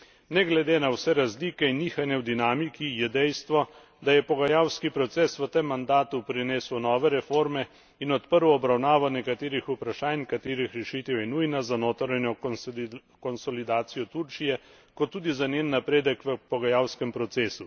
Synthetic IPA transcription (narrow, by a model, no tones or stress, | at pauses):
nɛɡlɛd̪eːnawsɛɾazliːkɛinːiːxanjɛwd̪inaːmikijɛd̪ɛjst̪ʋɔ | d̪ajɛpɔɡajaːwskipɾɔt̪seːsʋət̪emːand̪aːt̪upɾineːswnɔːʋɛɾɛfoɾmɛ | inɔt̪pəɾwɔbɾawnaːʋawnɛkat̪eːɾixupɾaʃaːnkat̪eːɾixɾɛʃiːt̪ɛwjɛnujnazanoːt̪ɾɛnjɔ | kɔnsɔlid̪aːt̪sijɔt̪uɾt͡ʃijɛ | kɔt̪ːuːd̪izaneːnːapɾeːd̪əkʋəpɔɡajawskɛmpɾɔt̪seːsu